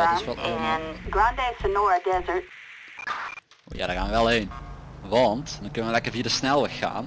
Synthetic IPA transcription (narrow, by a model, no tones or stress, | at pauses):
sʋɔlˠo̰ɡɹãndesənɔɹədɛzə˞t̚ | o̰ːja̰dɔxaːnʋəʋɛlˠɦenʋɑntdɑnkɵnəʋəlɛkəɹviːədəsnɛlˠʋəxa̰ːn